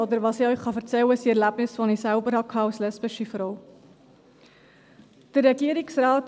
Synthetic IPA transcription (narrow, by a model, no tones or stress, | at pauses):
od̪əɾvɑːsiœʏχχɑfəɾt͡sɛləɪsiɛɾlæbnɪsfonisælbəɾhɑkʰɑːalslɛsbɪʃifɾɔw | d̥əɾːɛɡiəɾɪksrɑːt